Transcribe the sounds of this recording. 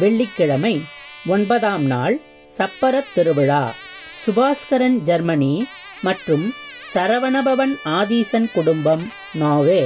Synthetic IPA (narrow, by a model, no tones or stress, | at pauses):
ʋɛɭːɪkːɪɻɐmɐɪ | ɔnbɐðaːmnaːɭ | sɐpːɐɾɐt̪ːɪɾɯʋɪɻaː | sʊbaːskɐɾɐnd͡ʒɐɾmɐniː | mɐʈrɯm | sɐɾɐʋɐnɐbɐʋɐnaːðiːsɐnkʊɽʊmbɐm | naːɣeː